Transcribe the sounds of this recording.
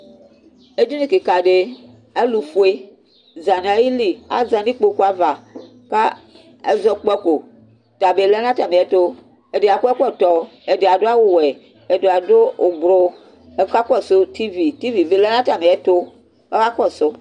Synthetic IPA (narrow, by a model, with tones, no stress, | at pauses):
e˦d͡ʒu˦nĩ˦ke˨ka˨ɖe˨ | a˦lu˦fu˦e˦ | za˨n˨a˨ji˦li˨a̰˨zã˨nĩ˦k͡po˦ko˦a˦va˨ | ka˦ | ḛ˦zɔ˦k͡pɔ˦ko˨ | t̪a˨be˦le˦nã˦ta˨me˨ɛ˦t̪o˦ | e˨de˨a˨kɛ˦kɔ˦t̪ɔ˨e˨de˨a˨do˦a˦wo˦˨wɛ˨ | e˨do˨a˨do˦o˨ɡ͡bɾo˦ | e˦ka˦kɔ˦˨so˦t̪i˦vi˨t̪i˦vi˨be˦le˦nã˦ta˨me˨ɛ˦t̪o˦ | a˦ka˦kɔ˦so˦